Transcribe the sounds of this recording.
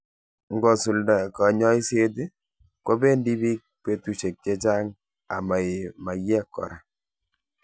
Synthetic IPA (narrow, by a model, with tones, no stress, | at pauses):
ŋɡɔ˨su˨lda˨ka˨ɲɔ˦i˦se˦t̬i˦ | kwo˦be˦ndi˦bi˦k̚pe˦tu˨ʃe˨k̚t͡ʃe˦t͡ʃa˦ŋ | a̰˨ma˨ɪ˨ma˨jɛ˦kːɔ̰˨ɾa˨